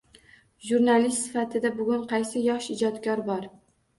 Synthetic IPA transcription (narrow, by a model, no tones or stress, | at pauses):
ʒuɾnalist̪sɪfat̪ʰɪd̪abʊɡʲʊnqʰɑjsɪjɒʃɪd͡ʒɒt̪kʲʰɒɾbɒɾ